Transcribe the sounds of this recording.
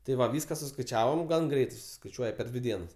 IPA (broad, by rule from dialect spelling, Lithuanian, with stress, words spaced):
tʲɪ ˈʋɐ ˈʋʲiːskɐ sʊskɐɪˈt͡ʃʲæːʋoːm ˈɡɐn ˈɡrʲɛɪtɐɪ sʊsʲɪskɐɪˈt͡ʃʲuɔjɛ pʲɛr ˈdʲʋʲɪ ˈdʲiɛnɐs